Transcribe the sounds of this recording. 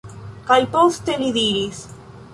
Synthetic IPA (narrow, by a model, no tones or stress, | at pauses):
kajpoθt̪eliðiɾis